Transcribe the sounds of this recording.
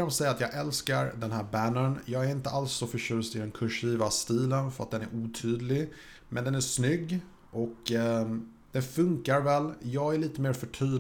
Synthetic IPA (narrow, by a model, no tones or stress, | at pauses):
amsɛjːat̪jɑːɡɛlskaɾd̪ɛnɦæːɾbænəɳjɑːɡæɾɪnt̪əʔalsːɔfœʂʉ̟ːst̪ɪd̪ɛnkʰɵʂiːvast̪iːlənfœɾat̪̚d̪ɛnæɾʔuːt̪ʰyːd̪lɪ | mɛnd̪ɛnæʂnʏɡː | ʔɔk | d̪̥ɛnfɵŋkaɾvɛlːjɑːɡæɾɭiːt̪əmeːɾfœʈʰyː